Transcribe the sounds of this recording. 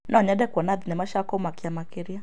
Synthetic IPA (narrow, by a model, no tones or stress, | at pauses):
nʔaɲɛdɛkwɔnadinɛmaʃakɔmakiamakiɾia